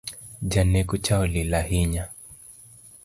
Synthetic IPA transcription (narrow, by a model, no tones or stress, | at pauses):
d͡ʒanɛkut͡ʃaɔlilahiɲa